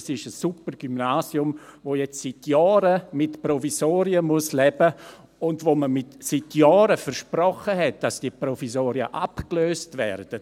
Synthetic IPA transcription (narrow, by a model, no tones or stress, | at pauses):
sɪʃəsupəɾɡ̥ymnaːsiʊmvoːjɛt͡ssitjɔːɾəmɪtprɔvisoːɾiəmuəslɛbə | ʊndvoːməmɪtsitʰjɔːɾəfəɾʃpɾɔχəɦɛt̚d̥asd̥iəpɾɔfisoːɾiəʔapkløːstvɛɾd̥ə